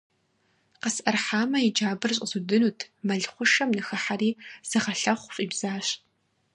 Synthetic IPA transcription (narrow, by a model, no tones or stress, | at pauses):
qəsɐrħaːmɐid͡ʒaːbɨrɕ̬ʼzudɨnuːtʰmɐɮχʷʊʃɐmnɨxɐħariːz̥ɨʁɐɬɐχʷɕʼiːbz̥aːɕ